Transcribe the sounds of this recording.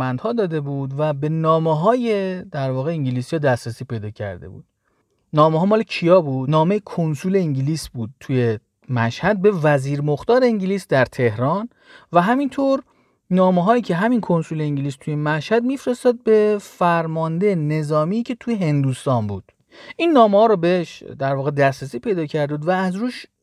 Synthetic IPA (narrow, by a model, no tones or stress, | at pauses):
ænd̪hɒːd̪ɒːd̪e̞buːd̪væbe̞nɒːmeɦɒːjed̪æɾvɒːɣe̞iŋɟiliːsijɒd̪æsɾæsiːpe̞jd̪ɒːcʰæ̰ɾd̪e̞̰bṵːd̪̥̚ | nɒːmeɦɒːmɒːlecʰijɒːbuːd̪nɒːmejekʰonsuːle̞iŋɟiliːsbuːd̪̚t̪ʰuje̞ | mæʃhæd̪̚be̞væziːɾmoxt̪ɒːɾeiŋɟiliːsd̪æɾt̪ʰe̞hɾɒːn | væɦæmint̪ʰoɾ | nɒːmeɦɒːjiːcʰeɦæminkʰo̞nsuːleiɲɟiliːst̪ʰujemæʃhæd̪̚miːfɾest̪ɒːd̪̚be̞fæɾmɒːnd̪ejne̞zɒːmiːcʰe̞t̪ʰujeɦe̞nd̪uːst̪ɒːnbuːd̪̥ | ʔinːɒːmehɒːɾobeeʃd̪æɾvɒːɣed̪æsɾæsiːpʰejd̪ɒːcʰæɾd̪ebud̪væːzɾuːʃ